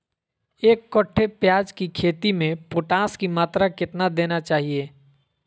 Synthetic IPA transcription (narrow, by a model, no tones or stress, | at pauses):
eːkːɔʈʰːepjaːd͡ʒkikʰeːt̪imẽpʊʈãːskimaːt̪ɾakɪt̪nad̪eːnat͡ʃaːɦieː